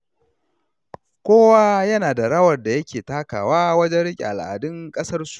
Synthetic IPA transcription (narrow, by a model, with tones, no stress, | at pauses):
kʷoː˦waː˦jɐ˦naː˨da˨ɽɐ˦wɐ˨rda˨jɐ˦kʲeː˨taː˦ka̰ː˨waː˦wɐ˦d͡ʒɛ˦nɽɪ˦kʲʼḭ˨ʔa̰˨lʔa̰ː˨dɪ˦ŋkʼɐ˦sɐ˦rsu̥˨